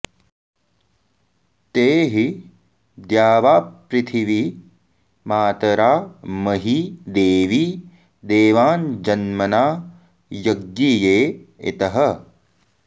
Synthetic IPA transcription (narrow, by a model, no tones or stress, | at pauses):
t̪eːɦi | d̪jaːʋaːpɾɪt̪ʰiʋi | maːt̪ɐɾaːmɐɦid̪eːʋi | d̪eːʋaːnd͡ʒɐnmɐnaː | jɐɡjijeːḛt̪ɐɦɐ